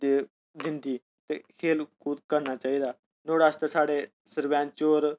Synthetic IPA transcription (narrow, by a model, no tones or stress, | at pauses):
d̪eː | d̪ɪ̃nd̪iː | t̪ekʰeːlkuːt̪kəɾnaːt͡ʃaːiːd̪aː | noːɽaːst̪asaːɽeː | səɾʋãːnt͡ʃoːɾ